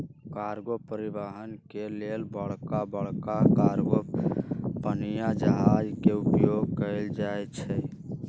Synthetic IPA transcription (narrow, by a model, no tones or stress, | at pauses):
kaɾɡopəɾibəɦənkelelbəɽkabəɽkakaɾɡo | pənijad͡ʒəɦad͡ʒkeupjoɡkəɪld͡ʒajt͡ʃʰɛ